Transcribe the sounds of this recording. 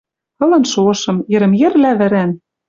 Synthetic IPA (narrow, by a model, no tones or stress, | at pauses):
t̪ɤ̆lɤ̆nʃoɤ̆ʃɤ̆mjɘ̆ɾɘ̆mjɘ̆rlæβɘ̆ɾæn